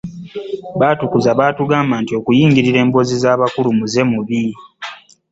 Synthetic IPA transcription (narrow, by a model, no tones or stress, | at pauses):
βaːtukuzaβaːtuɡaːmbantio̞kujiːŋɡiɾiɾe̞ːmbo̞zizaːβakulumuze̞muβi